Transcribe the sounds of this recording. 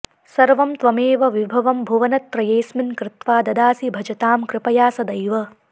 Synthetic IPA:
sɐɾʋɐmt̪ʋɐmeːʋɐʋibʱɐʋɐmbʱuʋɐnɐt̪ɾɐjeːsmɪnkɾɪt̪ʋaːd̪ɐd̪aːsibʱɐd͡ʒɐt̪aːmkɾɪpɐjaːsɐd̪ɐjʋɐ

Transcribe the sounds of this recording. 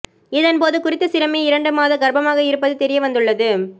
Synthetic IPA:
ɪðɐnpoːðɯkʊɾɪt̪ːɐsɪɾɐmeːɪɾɐɳɖɯmaːðɐɡɐɾbɐmaːɣɐɪɾɯpːɐðɯt̪ɛɾɪjɐʋɐnd̪ɯɭːɐðɯ

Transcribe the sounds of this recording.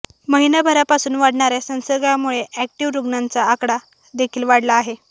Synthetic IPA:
məɦinabʱəɾapasuːnʋaɽɳaɾjasə̃w̃səɾɡjamuɭeʔæk̚ʈiʋɾuɡnant͡saːkɽa | d̪ekʰiːlʋaɽlaːɦe

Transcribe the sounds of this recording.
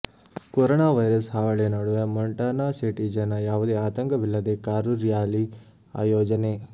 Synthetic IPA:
koɾonaːʋɐjɾɐsɦaːʋɐɭenaɽuʋɐmɐɳʈaːnaːsiʈid͡ʒɐnːɐjaːʋud̪eːaːt̪ɐŋkɐʋilːɐd̪ekaːɾuɾijaːli | a̰ːjoːd͡ʒɐne

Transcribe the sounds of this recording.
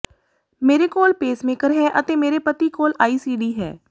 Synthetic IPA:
meːɾeːkoːlpeːsmekəɾɦɛːʔət̪eːmeːɾeːpət̪iːkoːlaːiːsiːɖiːɦɛ̰ː

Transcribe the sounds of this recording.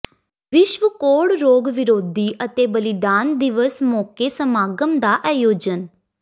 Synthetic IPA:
ʋɪʃʋəkoːɽɾoːɡʋɪɾoːd̪iːʔət̪eːbəlɪd̪aːnd̪ɪʋəsmɔːkeːsəmaːɡəmd̪aːʔɛːjoːd͡ʒən

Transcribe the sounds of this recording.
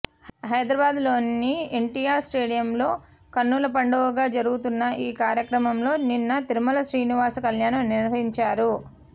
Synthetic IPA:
ɦɐjd̪ɾɐbaːd̪lo̞ːnːieɳʈiːjaːɾsʈe̞ːɽijɐmlo̞ː | kɐnːulɐp̬ɐɳɖɐʋɐɡaːd͡ʒɐɾuɡut̪unːɐʔiːkaːɾjɐkɾɐmɐmlo̞ːninːɐt̪iɾumɐlɐʃɾiːniʋaːsɐkɐljaːnɐmniɾʋɐɦiɲt͡ʃaːɾu

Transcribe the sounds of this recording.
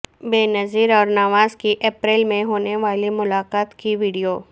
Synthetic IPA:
beːnɐziɾɔːɾnaːʋaːzkiʔeːpɾɛːlmẽɦoːneʋaːlimʊlaːqaːt̪kiʋiːɖijoː

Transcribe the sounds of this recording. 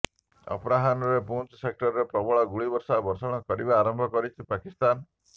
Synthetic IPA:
ɔ̰pɾaɦanɔɾepunt͡ʃsek̚ʈɔɾɔɾepɾɔbɔɭɔɡuɭibɔɾsabɔɾsɔɽ̃ɔkɔɾibaːɾɔmbʱɔkɔɾit͡ʃʰipakist̪an

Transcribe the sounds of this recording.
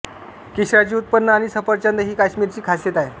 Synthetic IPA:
kiɕɾat͡ɕiːut̪̚pənnːəaɽ̃isəpəɾt͡ɕand̪əɦiːkaɕmiːɾt͡ɕiːkʰasjet̪aɦe

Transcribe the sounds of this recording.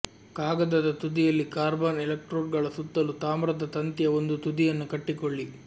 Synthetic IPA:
kaːɡɐd̪ɐd̪ɐt̪ud̪ijɐlːikaːɾbaːnɛlɐk̚ʈɾoːɾɡɐɭɐsut̪ːɐlut̪aːmɾɐd̪ɐt̪ɐnt̪jɐond̪ut̪ud̪ijɐnːukɐʈːikoɭːi

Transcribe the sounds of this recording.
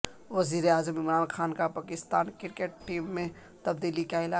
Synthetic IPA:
ʋɐziːɾeaːzəmɪmɾaːnxaːnkapaːkɪst̪aːnkɪɾkeʈ̚ʈiːmːẽ | t̪ɐbd̪iːlikaɪlaː

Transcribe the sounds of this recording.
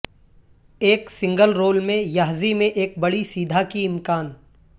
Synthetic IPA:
eːksɪ̃ŋɡəlɾoːlmẽjaːɦzimẽʔeːk̚bɐɽisiːd̪ʱakiɪmkaːn

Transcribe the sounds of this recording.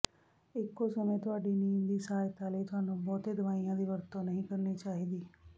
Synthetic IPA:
ɪkːoːsəmẽːt̪ʊaːɖiːniːmd̪iːsaːjt̪aːleːt̪ʊɦaːnũːbɔːt̪eːd̪əʋaːijãːd̪iːʋəɾt̪õːnəɦĩːkəɾniːt͡ʃaːɦiːd̪iː

